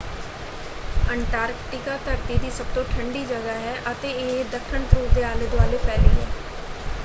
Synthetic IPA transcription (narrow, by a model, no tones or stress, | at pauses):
əɳʈaːɾkʈɪkaːt̪əɾt̪iːd̪iːsəb̚t̪õːʈʰəɳɖiːd͡ʒəɡaːɦɛːʔət̪eːed̪əkʰʃəɳt̪ɾuːd̪eːaːləd̪ʋaːleːpɛːleːɦɛː